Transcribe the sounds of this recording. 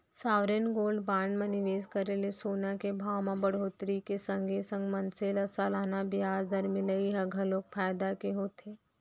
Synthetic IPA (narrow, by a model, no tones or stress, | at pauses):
saːʋɾenɡoːlɖbaːɳɖmẽnɪʋeːskɐɾelesoːnakebʱaːwmãbɐɽ̤oːt̪ɾikesə̃ŋɡʱesə̃ŋɡmɐnselɐsalaːnabɪjaːzd̪ɐɾmɪləiɦɐɡʱəloːk̚fʰaːjd̪akeɦoːt̪ʰeː